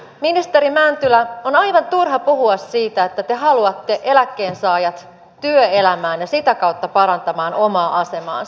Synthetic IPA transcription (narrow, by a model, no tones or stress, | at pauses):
minist̪e̞ɾimænt̪ylæo̞nɑjʋɑnt̪urɦɑpuɦuɑsːiːt̪æet̪ːæt̪e̞ɦɑluɑt̪ːe̞ʔe̞lækːe̞ːnsɑːjɑt̪ | tyøe̞læmæːnjɑsit̪ækɑwt̪ːɑpɑɾɑnt̪ɑmɑːno̞mɑːʔɑse̞mɑ̰ːns